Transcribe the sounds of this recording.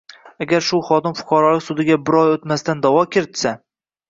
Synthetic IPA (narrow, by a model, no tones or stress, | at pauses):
aɡʲaɾʃʊχɒd̪ɪmfʊ̥qʰɑɾɒlˠɪkʲsʊd̪ɪɡʲabɪɾɒjot̪mast̪and̪awɒkʲʰɪɾɪt̪sa